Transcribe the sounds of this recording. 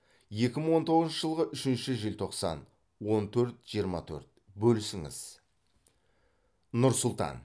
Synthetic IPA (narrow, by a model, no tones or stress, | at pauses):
je̞kʲɪməŋɴwo̞nt̪ʰo̞ʁznʃəʒəlˠʁəʔʏʃɪnʃɪʒelt̪ʰo̞qsɑ̰n | wo̞nt̪ʰɵɾt̪ʒ̥ijəɾmɑ̰t̪ʰɵ̰ɾt̪̚ | bɵlsɪŋɪ̰z̥ | nʊɾsʊlˠt̪ɑ̰n